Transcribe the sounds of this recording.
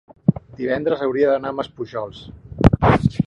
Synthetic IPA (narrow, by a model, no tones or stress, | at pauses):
d̪iβɛnd̪ɾəzəwɾiəðənaməspuʒɔlˠs